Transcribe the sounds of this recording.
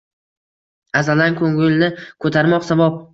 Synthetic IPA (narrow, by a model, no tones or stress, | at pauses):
azalaŋkʰɵŋɪlnɪkʰɵt̪ʰaɾmɒqsabɒp̚